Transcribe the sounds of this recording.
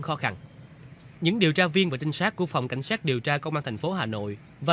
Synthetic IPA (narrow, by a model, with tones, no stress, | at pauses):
xɔ˨˦xa˧ŋ | ɲɨ̰˧˥ŋɗi˨˩əwt͡ɕaː˧vi˧ənvaː˨˩t͡ɕi˧ŋsaː˦˥t̚kːu˦˥ək̚fa˨˩wŋ͡mka̰˧˩jŋ̟saː˦˥t̚ɗi˨˩əwt͡ɕaː˧kə˧wŋ͡mʔaː˧t̪ʰŋ̟fo˨˦ɦaː˨˩no̰˧˨j | vaː˨˩